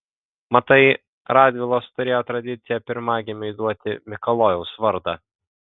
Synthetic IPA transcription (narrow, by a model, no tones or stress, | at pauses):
mɐt̪ɐɪ | ɾɑːd̪ʲʋʲɪlˠoːst̪ʊɾʲeːjoːt̪ɾɐd̪ʲɪt̪sʲɪjɛpʲɪɾmɑːɡʲɪmʲɛɪd̪uɔt̪ʲɪ̰mʲɪkɐlˠoːjɛʊsʋɐɾd̪ɑ